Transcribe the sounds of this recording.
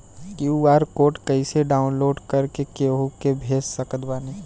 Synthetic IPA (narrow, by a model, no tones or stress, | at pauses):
kjuaːɾkoːʈkɐiseɖaːʊ̃nloːɖkɐɾkekeɦokebʱeːssəkət̪baːne